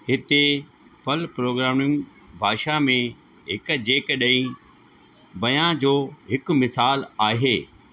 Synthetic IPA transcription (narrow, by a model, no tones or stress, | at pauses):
ɦɪt̪e | pɐlpɾoːɡɾaːmʊ̃ŋ | bʱaːʃamẽ | ɦɪkd͡ʑeːkɗɐ̃ĩ | bɐjãd͡ʑoːɦɪk̆mɪsaːlaːɦeː